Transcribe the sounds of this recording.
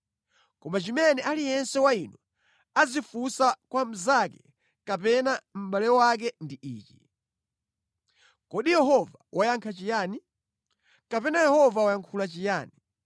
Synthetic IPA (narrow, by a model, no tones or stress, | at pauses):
kɔmat͡ʃimɛnɛʔalijɛnsɛwainwɔ | azifusakwam̩zakɛ | kapɛnam̩ɓalɛwak̬ɛndiʔḭːt͡ʃi | kɔɗijɛɦɔvawʔajaŋkʰat͡ʃijaːni | kapɛnajɛhɔvawajaŋkʰulat͡ʃijaːni